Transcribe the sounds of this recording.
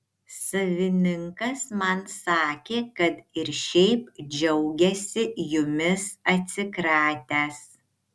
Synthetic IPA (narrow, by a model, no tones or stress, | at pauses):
sɐʋʲɪnʲɪŋkɐsmɐnsɑːkʲeːkɐt̪ɪɾʃʲɛɪp̚d͡ʒʲɛʊɡʲɛsʲɪjʊmʲɪsɐt̪ʲsʲɪkɾɑːt̪ʲæːs